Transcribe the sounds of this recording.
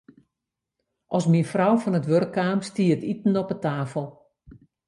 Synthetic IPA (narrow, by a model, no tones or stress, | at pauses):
ʔɔsminfrɔwfɔnətʋørkːaːmstiːtitn̩ɔpətaːfəlˠ